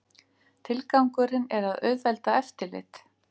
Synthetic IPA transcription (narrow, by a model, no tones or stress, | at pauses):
t̪ʰɪlkawŋkʏɾɪnɛɾaðœːðvɛlt̪aɛft̪ɪlɪ̰t̪